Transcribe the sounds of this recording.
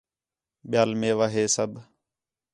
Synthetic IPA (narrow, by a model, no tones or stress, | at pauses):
ɓɪjaːlmẽːʋaːɦeːsəb